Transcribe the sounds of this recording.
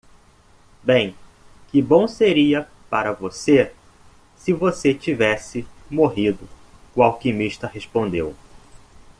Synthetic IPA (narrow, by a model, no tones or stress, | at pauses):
bẽj̃ | kɪbõw̃seɾiɐ | paɾɐvose | sɪvoset͡ʃivɛsɪmoɦid̪ʊ | kwawkɪmiʃt̪ɐɦespõnd̪ew